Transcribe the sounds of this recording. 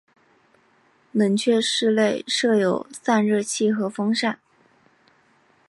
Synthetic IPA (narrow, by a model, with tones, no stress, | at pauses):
mə˧˥nt͡ɕʰɥɛ˥˧ʂɻ̩˥˧le˥˧ɪʂɤ˥˩jo˨˩ʊsa˥˧nɻɤ˥˧t͡ɕʰi˥˩xɤ˧˥fɤ˥ŋʂa˥˩n